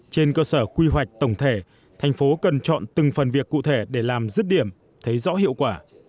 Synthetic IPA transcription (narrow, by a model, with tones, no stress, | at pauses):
t͡ɕe˧nkəː˧səː˧˩kwi˧ɦwa˨˩jk̚t̪ə˧˩wŋ͡mt̪ʰe˧˩ | t̪ʰa˨˩jŋ̟fo˨˦kə˨˩nt͡ɕɔ̰˧˨nt̪ɨ˨˩ŋfə˨˩nvi˨˩əkːṵ˧˨t̪ʰe˧˩ɗe˧˩laː˨˩mzɨ˦˥t̚ɗi˧˩əm | t̪ʰə˨˦jzɔ̰˧˥ɦḭ˧˨əwkwaː˧˩